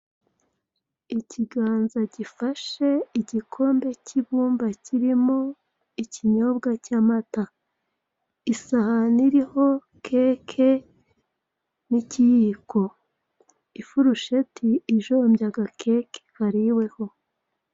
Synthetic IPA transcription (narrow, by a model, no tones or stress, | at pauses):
iciɡaːnzaɟifaʃe̞iɟikʰo̞ːmbe̞ciβuːmbaciɾimo̞ | iciɲo̞bɡacamata | isahaniɾiho̞ | kʰe̞ːkʰe̞ | nicijiko̞ | ifuɾuʃe̞tʰiːʒombjaɡakʰe̞ːke̥haɾiwe̞ho̞